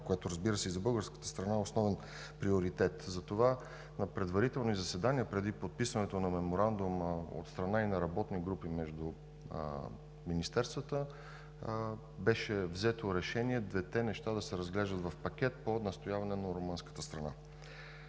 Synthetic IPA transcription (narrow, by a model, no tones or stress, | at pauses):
kojɛt̪oɾəzbiɾəsɛizɐbɤlˠɡəɾskə̥t̪ə̥st̪ɾɐnaɛosnɔvɛn | pɾioɾit̪ɛt̪zɐt̪ova | nɐpɾɛd̪vɐɾit̪ɛlˠnizɐsɛd̪aniəpɾɛd̪ipot̪̚pisvɐnɛt̪onɐmɛmoɾand̪umo̰t̪st̪ɾɐnainɐɾɐbɔt̪niɡɾupimɛʒd̪ṵ | minist̪ɛɾst̪vət̪ə | bɛʃɛvzɛt̪oɾɛʃɛniɛd̪vɛt̪ɛnɛʃt̪ad̪ɐsɛɾəzɡlɛʒd̪ət̪vɐfpɐkʲɛt̪̚ponɐst̪ojavɐnɛnɐɾomɤnskə̥t̪əst̪ɾɐna̰